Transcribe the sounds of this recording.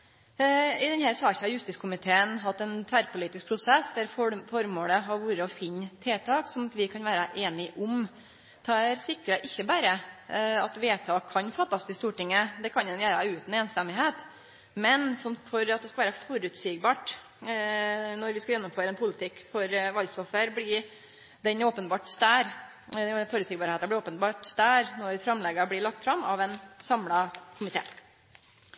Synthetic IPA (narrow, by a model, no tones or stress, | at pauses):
ɪd̪ɛnhæɾsɑɾɪçːəɑɾjʉst̪ɪskʰʊmɪt̪ʰeːənɦɑt̪ːɛnt̪ʰʋæɾpʰʊliːt̪ɪsk̚pʰɾʊsɛsd̪æɾfɔfɔɾmoːləɦɑɾʋuːɾəɔfɪnːət̪ʰeːt̪ʰɑːksɔmʋɪkʰɑnʋæːɾəʔeːnɪʔʊm | t̪ʰɑæɾsɪkɾəʔɪçːəbæːɾəɑt̪ʋeːt̪ʰɑːkʰːɑnfɑt̪ːɑst̪ɪst̪uːʈɪŋːəd̪ɛkʰɑnɛnjæːɾəʉːt̪n̩eːnst̪ɛmɪɦeːt̪ | mɛnfɔfɔɾɑt̪̚d̪ɛskɑʋæːɾəfɔɾʉːt̪sɪːɡ̚bɑːʈ | nɔɾʋɪskɑljɛnːʊmføːɾəɛnpʰʊlɪt̪ʰɪkːfɔɾʋɑlsɔfəɾblɪ | d̪ɛnoːpənbɑːʈsd̪æːɾ | fɔɾʉtsɪɡ̚bɑːɾheːt̪ɑblɪɾoːpənbɑːʈst̪æːɾnɔɾfɾɑmlɛɡɑblɪɭɑk̚t̪fɾɑmːɑʋɛnsɑmlɑkʰʊmɪt̪ʰḛː